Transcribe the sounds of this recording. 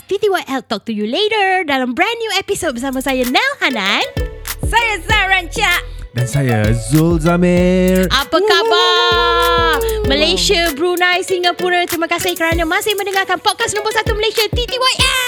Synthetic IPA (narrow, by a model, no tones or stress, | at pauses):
t̪it̪iwajʔɛl̚t̪ɔk̚t̪ujuleɾəɹdalambɹãnːjuɛpisot̚bəsamə̃sajanɛlhanansajazaɹaɲt͡ʃaʔ | dansaja̰zolzamerapakaba | məlesiəbɾunajsiŋapuɾət̪əɾimãkasɪhkəɾanə̃mãsɪhmə̃ndəŋakanpɔd̚kasnõmbəsat̪uməlesiat̪it̪iwajʔɛl